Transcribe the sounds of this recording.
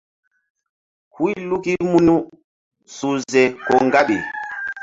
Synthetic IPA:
hwi˦lu˦ki˦mu˦nu˦ | su˨zɛ˨kɔ˨ŋɡa˦ɓi˨

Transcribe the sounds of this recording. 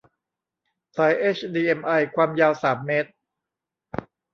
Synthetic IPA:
saː˨˦˥jʔeː˦˥t͡ɕʰdiː˧ʔe˧mʔa˧jkʰwaː˧mjaː˧wsaː˩˦mːe˦˥t̪̚

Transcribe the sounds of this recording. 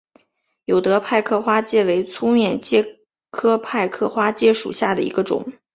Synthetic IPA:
jo˨˩ʊt̪ɤ˧˥pʰa˥˧ɪkʰɤ˥˩xwa˥t͡ɕjɛ˥˩we˧˥ɪt͡sʰu˥mjɛ˥˩nt͡ɕjɛ˥˩ | kʰɤ˥pʰa˥˧ɪkʰɤ˥˧xwa˥t͡ɕjɛ˥˩ʂṵ˨˩ɕja˥˩d̪ə˩ḭ˧˥ɡə˧ʈ͡ʂʊ̰˨˩˦ŋ

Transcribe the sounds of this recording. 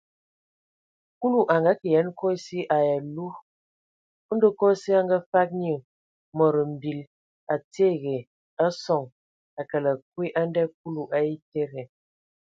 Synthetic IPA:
ku˦lu˦˨ʔa˨ŋɡa˦kə˨jɛ˨˦n˦kɔ˦i˦si˦ʔa˨ja˨lu˦ | də˦kɔ˦si˦a˦ŋɡa˦fa˦k̚ɲ˦ə˨ | mə˨ɾə˨m̩˨bi˨l | a˨te˦˨ɣe˨ | a˦sɔ˨ŋ | a˨kə˨la˨kwi˦ʔa˦n˦dɛ˦k̚u˦lu˨ʔa˦ji˦te˦ɣe˨

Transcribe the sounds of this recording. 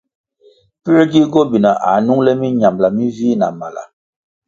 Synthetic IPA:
pi˦e˦ɡi˦ɡo˦bi˨na˨ʔa̰˨nu˦ŋlɛ˦mi˦ɲa˨mla˨mi˦viː˦na̰˨ma˨la̰˨

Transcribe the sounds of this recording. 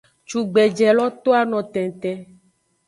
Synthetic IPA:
t͡ʃu˨ɡ͡bɛ˨d͡ʒɛ˨lɔ˦t̪o˦a˨nɔ̃˨t̪ɛ̃˨t̪ɛ̃˦

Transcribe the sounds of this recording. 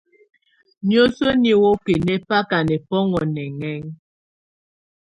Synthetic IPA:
njo˦so˦ni˦wo˦ke˨nɛ˦pa˦ka˨nɛ˨pɔ˦ŋɔ˨nɛ˨ŋɛ˦ŋ

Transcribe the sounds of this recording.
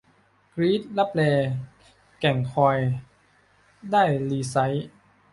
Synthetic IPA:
kɾiː˦˥t̪̚la˦˥p̚lɛː˧ | kɛ˨˩ŋkʰɔː˧j | daː˥˩jliː˧sa˦˥j

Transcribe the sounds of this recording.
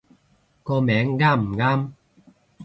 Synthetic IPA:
ko˧mɛː˨˦ŋɡa˥˩˨mɡa˦˥˩m

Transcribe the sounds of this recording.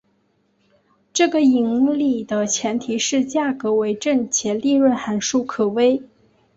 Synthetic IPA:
ʈ͡ʂɤ˥˩ɡə˩i˧˥ŋli˨˩d̪ə˦t͡ɕʰjɛ˧˥nt̪ʰi˧˥ʂɻ̩˥˧t͡ɕja˥˩kɤ˧˥we˧˥ɪʈ͡ʂə˥˩nt͡ɕʰjɛ˧˥nli˥˧ɻwə˥˩nxa˧˥nʂu˥˩kʰɤ˨˩we˥ɪ

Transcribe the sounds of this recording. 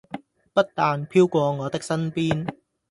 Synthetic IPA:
pɐ˥t̚t̪aː˧npʰiː˥wkʷɔː˧ŋɔː˨˧t̪ɪ˥k̚sɐ˥npiː˥n

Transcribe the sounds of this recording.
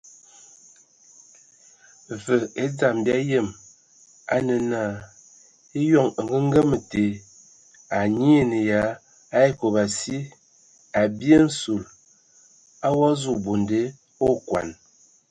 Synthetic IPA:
və˨e˦d͡za˨mba˦jə˦˨m | a̰˦nə˨na˦˨ | e˦jɔ˦˨ŋə˨ŋ˨ɡə˦ŋ˦ɡə˦mə˨te˨ | a˨ɲi˦˨nə˨ja˨˦ | a˦e˦ko˨ba˨si˦ | a˨bje˦n̩˦su˨l | a˦wa˦zu˨bo˨nde˦ | o˦kwa̰˨n

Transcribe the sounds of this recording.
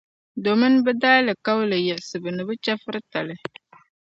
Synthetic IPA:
do˨mɨ˦n˦bɛ˦daː˦lɨ˨ka˦wlɨ˨jɛ˨sɨ˨bɨ˨nɨ˨bɨ˦t͡ʃɛ˦fɨ˦ɾɨ˦ta˨lɨ˦

